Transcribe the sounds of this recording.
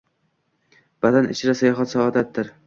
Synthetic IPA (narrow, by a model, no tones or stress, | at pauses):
b̥ad̪anɪt͡ʃʰɪɾasajɒɦɒt̪saɒd̪at̪ːɪɾ